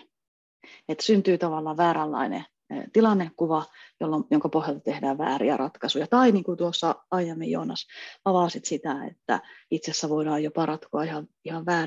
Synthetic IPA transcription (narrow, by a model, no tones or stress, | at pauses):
et̪synt̪yːt̪ɑʋɑlːɑːʋʋæːɾælːɑ̰inḛ | t̪ilɑnːekkuʋɑjolːomjoŋkɑpohjɑlt̪ɑt̪ehdæːʋʋæ̰ːɾḭæ̰rɑt̪kɑsujɑt̪ɑiniːŋkut̪uosːɑɑijæmːejo̰ːnɑsɑʋɑˑsit̪sit̪æḛt̪ːæ̰it̪sesːæʋoiɾɑːjjopɑrɑt̪koɑihɑʋihɑʋʋæː